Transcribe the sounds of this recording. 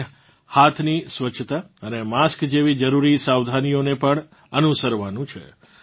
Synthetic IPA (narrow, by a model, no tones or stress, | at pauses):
hat̪ʰnisʋət͡ʃʰːt̪aənemaskd͡ʒeʋid͡ʒəɾuɾisaʋd̪ʱanijonepəɳ | ənusəɾʋanũt͡ʃʰḛ